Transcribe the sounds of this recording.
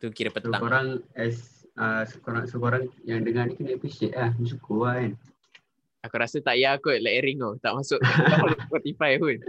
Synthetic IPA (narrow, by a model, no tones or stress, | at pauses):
t̪ukiɾəpəst̪akoɾaŋɛsəsəkoɾaŋsəkoɾaŋjaŋdəŋanikənepiseʔlahmis̬ukuaɛn | akuɾasət̪aʔjakoʔlaʔeɾiŋot̪aʔmasʊʔlpɔt̪ifajpun